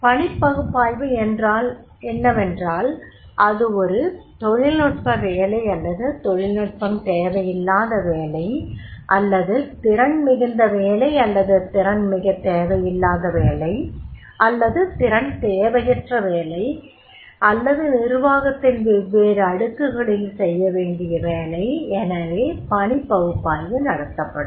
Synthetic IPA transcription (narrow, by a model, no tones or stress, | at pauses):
pɐɳɪpːɐɣɯpːaːjʋɯɛndraːl | ɛnːɐʋɛndraːl | ʔɐðɯɔɾɯt̪ɔɻɪlnɔʈ̚pɐʋeːlɐɪɐlːɐðɯt̪ɔɻɪlnɔʈ̚pɐmt̪eːʋɐjɪlːaːðɐʋeːlɐɪʔɐlːɐðɯt̪ɪɾɐɳmɪɣɪnd̪ɐʋeːlɐɪɐlːɐðɯt̪ɪɾɐnmɪɣɐt̪ːeːʋɐjɪlːaːðɐʋeːlɐɪ | ʔɐlːɐðɯt̪ɪɾɐɳt̪eːʋɐjɪʈrɐʋeːlɐɪ | ɐlːɐðɯnɪɾɯʋaːɣɐt̪ːɪnʋɪʋeːɾɐɽɯkːɯɣɐɭɪlsɛjːɐʋeːɳɖɪjɐʋeːlɐɪɛnɐʋeːpɐɳɪpːɐɣɯpːaːjɡɯnɐɽɐt̪ːɐpːɐɽɯm